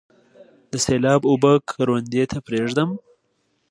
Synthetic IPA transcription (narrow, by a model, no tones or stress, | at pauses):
d̪əselɑbʊbəkʰɾwand̪et̪ʰapɾeʐd̪əm